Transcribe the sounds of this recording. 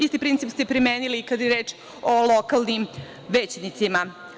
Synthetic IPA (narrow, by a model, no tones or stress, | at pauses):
ist̪ipɾinsipst̪epɾimeːnilikad̪jɾe̞ːt͡ʃ | olˠokalˠnim | ʋeːt͡ɕnit̪sima